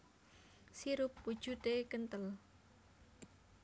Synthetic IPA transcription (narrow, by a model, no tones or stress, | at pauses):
siɾʊpːud̥ʒ̥ṳt̪ekənt̪əl